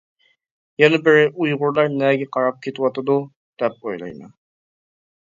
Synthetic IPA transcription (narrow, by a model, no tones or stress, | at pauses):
jɛnɪbɪɾɪʔujʁʊɾlˠɑɾnɛɡʲɛqʰɑɾɑp̚kʲʰet̪ɪwɑt̪ɑd̪u | d̪̥ɛp̚ojlˠɑ̰jmɛ̰